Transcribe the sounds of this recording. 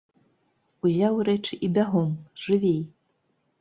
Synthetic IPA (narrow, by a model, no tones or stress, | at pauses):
uzʲawɾɛt͡ʂɨʔibʲaɣɔmʐɨvʲej